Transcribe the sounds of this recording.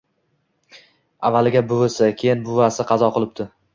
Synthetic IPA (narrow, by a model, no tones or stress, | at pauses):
avːalɪɡʲabʊvasakʲʰejɪnbʊvasɪqʰɑzɒqʰolˠɪp̚t̪ʰʊ